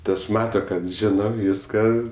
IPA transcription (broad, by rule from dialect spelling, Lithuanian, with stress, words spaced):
ˈtɐs ˈmɑːtɐ ˈkɐt ˈʒʲɪnoː ˈʋʲiːskɐ